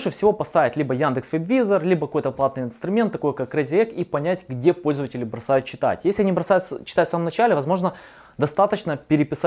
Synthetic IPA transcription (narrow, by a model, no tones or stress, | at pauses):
ʂɨfsʲɪvo̞pɐst̪avʲɪtʲlʲibəjand̪ɨksvʲɪbʲvʲizərlʲibəkɐko̞jt̪əplˠat̪nɨjɪnst̪ɾʊmʲe̞nt̪ːɐko̞jkakːrəzʲɪekipɐnʲætʲɡdʲe̞po̞lʲzəvətʲɪlʲɪbɾɐsajʊt̪t͡ɕːɪ̥t̪a̰tʲjesʲlʲɪɐnʲibɾɐsajʊt̪st͡ɕːɪ̥t̪ajt̪saməmnɐt͡ɕælʲɪvɐzmo̞ʐnə | d̪ɐst̪at̪ət͡ɕnəpʲɪɾʲɪpʲɪsa